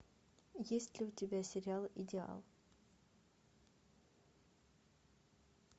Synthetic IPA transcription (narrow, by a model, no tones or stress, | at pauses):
jesʲt̪ʲlʲɪʊt̪ʲɪbʲæsʲɪɾʲɪalˠid̪ʲɪa̰lˠ